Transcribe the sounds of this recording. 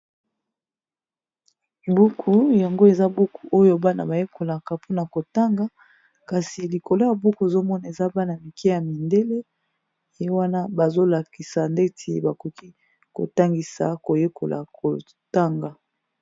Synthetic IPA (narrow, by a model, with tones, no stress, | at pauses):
bu˦kʰu˨ja˨ŋɡo˦e˨za˦bu˦kʰu˨ʔo˦jo˦ba˦na̰˨ba˨je˦kʰo˨la˨ka˨pʰo˦na˨ko˨ta˦ŋɡa˦ | ka˨si˨li˨ko˨lo˦ja˨bu˦ku˨e˨zo˦mɔ˦na˨e˨za˦ba˦na˨mi˨ke˦ja˨mi˨nde˦le˦ | e˨je˦wa˦na˦ba˨zo˦la˨ki˨sa˨nde˦tʰi˨ba˨ko˨ki˦ | ko̰˨ta˦ŋɡi˨sa˨ko˨je˦ko˨la̰˨kʰo˨ | ta˦ŋɡa˨